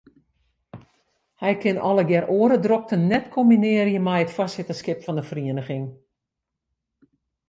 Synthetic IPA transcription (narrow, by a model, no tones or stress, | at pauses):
hɛjkɪnɔləɡɛroəɾədrok̚tənnɛtkʰombinɪəɾijəmɛjətfasɪtəskɪpfɔndəfriənəxɪŋ